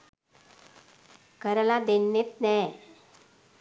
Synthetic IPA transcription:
kəɾəlad̪enːet̪nɛ

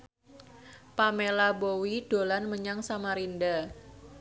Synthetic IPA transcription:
pamelabowiɖ̥olanməɲaŋsamaɾinda

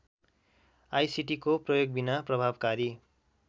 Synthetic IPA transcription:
ajsiʈikoprʌjoɡ̚binaprʌbʱabkaɾi

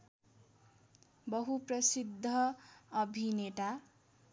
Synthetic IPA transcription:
bʌɦuprʌsid̪ʱːʌːbʱineʈa

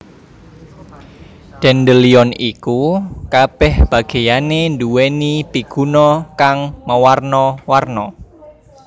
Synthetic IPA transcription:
d̥ɛndəliɔnikukab̥ɛhb̥a̤ɡ̥e̤janend̪uwenipiɡ̥ṳnɔkaŋməwarnɔwarnɔ

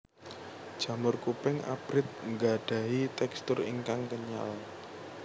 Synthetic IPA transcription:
d̥ʒ̥ä̤mʊrkupɪŋa̰b̥ɾɪt̪̚ŋɡaɖ̥ä̤ɦit̪ɛkst̪ʊrḭŋkaŋkəɲa̰l

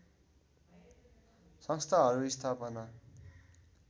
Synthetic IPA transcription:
sʌ̃ŋst̪ʰaɦʌɾuist̪ʰapʌna

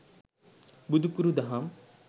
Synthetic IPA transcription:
bud̪ʱukuɾud̪ɐɦam

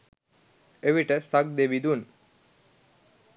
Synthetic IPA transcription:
eʋiʈəsak̚d̪eʋid̪un

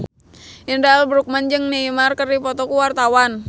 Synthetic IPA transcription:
ʔindalbɾuk̚mand͡ʒɨŋniimarkərdipɔt̪ɔkuwart̪awan

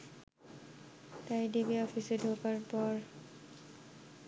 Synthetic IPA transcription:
tajdibiɔpʰisedʱokaɹpɔɹ

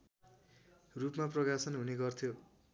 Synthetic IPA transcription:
rupmaprʌkasʌnɦuneɡʌrt̪ʰjo

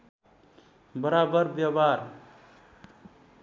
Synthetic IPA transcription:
bəɾabəɾbjabaɾ

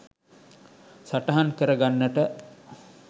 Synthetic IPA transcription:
saʈɐɦankəɾəɡanːəʈə

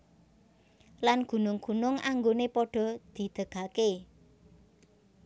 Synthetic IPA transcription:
lanɡ̥ṳnʊŋɡ̥ṳnʊŋaŋɡonepɔɖ̥ɔ̤d̪̥i̤d̪̥ə̤ɡ̥a̤ke

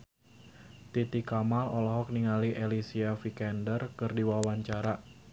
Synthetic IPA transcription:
t̪it̪ikamalɔlɔɦɔk̚niŋaliʔelisiafikɛndərkɨrdiwawaɲt͡ʃaɾa

